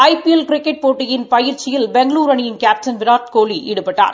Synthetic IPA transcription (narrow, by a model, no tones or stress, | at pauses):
ɐɪpiɛlkɾɪkːɛʈ̚poːʈːɪjɪnpɐjɪɾt͡ʃɪjɪlbɛŋɡɐluːɾɐɳɪjɪnkaːp̚sɐnʋɪɾaːɾt̪koːliʔɪ̰ɽɯpːɐʈːa̰ːɾ